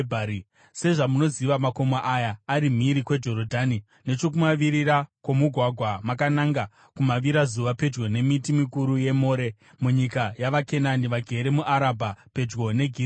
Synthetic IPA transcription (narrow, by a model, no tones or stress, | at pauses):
bʱa | se̞ʐamuno̞ziʋamako̞maʔajaːɾim̤iɾikwe̞d͡ʒo̞ɾodʱani | ne̞t͡ʃo̞k̬umaʋiɾirakwomuɡʱwaɡʱwamakanaŋɡa | kumaʋiɾazuʋape̞d͡ʒɡo̞ne̞mitimikuɾuje̞mo̞ːɾe̞ | muɲikajaʋake̞naniʋaɡʱe̞ɾe̞muʔaɾabʱape̞d͡ʒɡo̞ne̞ɡʱi